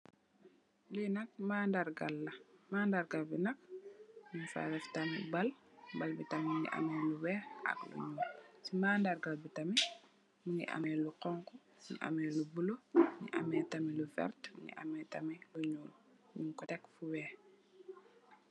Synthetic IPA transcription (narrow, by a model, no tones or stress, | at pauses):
linɐk̚maːndaɾɡalːɐmaːndaɾɡalbinɐk̚ɲunfa̰ɾɛftamibal | balbitɐmimiŋɡḭʔa̰mɛːluwɛːɐ̰klṵɲuːlsimaːndaɾɡalbitami | miŋɡḭʔa̰mɛːluqɔŋkɔ | muŋḭʔa̰mɛlubuloɲḭʔa̰mɛːtamilufɛ̰ɾtmṵŋɡḭʔa̰mɛtɐmiluɲuːl | ɲuŋkɔtɛkfuwɛː